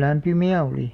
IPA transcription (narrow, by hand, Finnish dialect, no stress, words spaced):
læmpymiæ oliˑ